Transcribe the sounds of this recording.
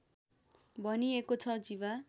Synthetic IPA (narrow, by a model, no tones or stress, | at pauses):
bʱʌniekot͡sʰʌd͡ziβa